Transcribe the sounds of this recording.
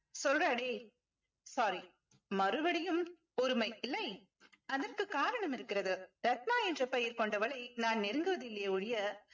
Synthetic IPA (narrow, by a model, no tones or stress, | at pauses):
sɔlraːɽeː | saːɾi | mɐɾɯʋɐɽɪjɯm | ɔɾɯmɐɪɪlːɐɪ | ɐðɐrkɯkaːɾɐɳɐmɪɾɯkːɪɾɐðɯɾɐt̪̚maːɛndrɐpɐjɪɾkɔɳɖɐʋɐɭɐɪnaːnnɪɾɯŋɡɯʋɐðɪlːɐjeːʊɻɪjɐ